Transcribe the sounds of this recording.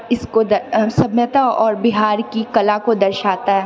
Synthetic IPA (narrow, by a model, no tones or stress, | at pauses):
ɪskod̪ɐsɐmjət̪aɔːɾbɪɦaːɾkikɐlakod̪ɐɾʃaːt̪aɦɛː